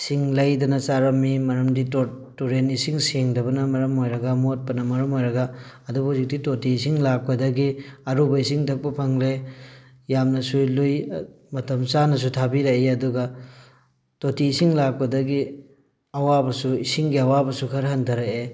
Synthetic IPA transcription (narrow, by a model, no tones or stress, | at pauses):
siŋlɐjdɐnɐsaɾɐmːimɐɾɐmdito | tuɾenisiŋseŋdɐbɐnɐmɐɾɐmojɾɐɡɐmot̚pɐnɐmɐɾɐmojɾɐɡaːdubɐzik̚ditotiːsiŋlak̚pɐdɐɡiɐɾubɐisiŋtʰɐk̚pɐpʰɐŋle | jamnɐsuluj | mɐtɐmsanɐs̬utʰabiɾɐeɐduɡɐ | totiːsiŋlak̚pɐdɐɡi | ɐwabɐsuisiŋɡiɐwabɐsukʰɐɾɦɐndʰʱɐɾɐe